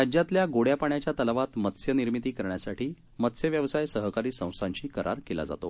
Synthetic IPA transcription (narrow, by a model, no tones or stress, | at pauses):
ɾad͡ʑjat̪ljaɡoɽjapaɳjat͡ɕjat̪əlʋat̪mət̪sjəniɾmit̪iːkəɾɳjasaʈʰiː | mət̪sjəʋjəʋsajsəɦkaɾiːsə̃w̃sãɲt͡ɕiːkəɾʔa̰ɾkela̰d͡za̰t̪o̰